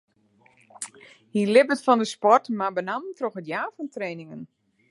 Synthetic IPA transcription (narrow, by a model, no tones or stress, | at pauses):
hilɪbətfɔndəspɔrtmabənamtroxətjaːfɔntreːnɪŋən